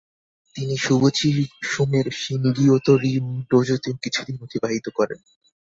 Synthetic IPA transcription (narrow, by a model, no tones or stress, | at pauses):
t̪iniʃubot͡ɕʰiʃumeɾʃiŋɡiot̪oɾiɖod͡ʑot̪eokit͡ɕʰud̪inot̪ʰibaɦit̪okɔɾḛn